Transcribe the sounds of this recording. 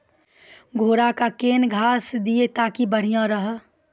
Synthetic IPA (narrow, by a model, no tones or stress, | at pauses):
ɡʱoːɾakakeːnɡʱaːsd̪iet̪aːkibəɽ̤ijãɾəɦ